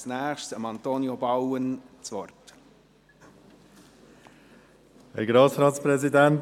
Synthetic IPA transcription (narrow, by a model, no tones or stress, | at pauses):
snæːχʃsəmɑnt̪onjobɑwənt͡sʋɔrt | ɛɡɾɑːsɾɑːtspɾɛzidænt